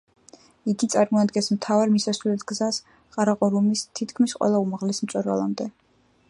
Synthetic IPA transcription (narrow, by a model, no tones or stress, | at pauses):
iɡit̪sʼaɾmɔad̪ɡɛnsmt̪ʰavaɾmisasvlɛt̪ʰɡ̥zas | qʼaɾaqʼɔɾumist̪ʰit̪ʰkʰmisqʼwɛ̰lˠaumaʁlɛsmt̪sʼɛɾva̰lˠa̰md̪ɛ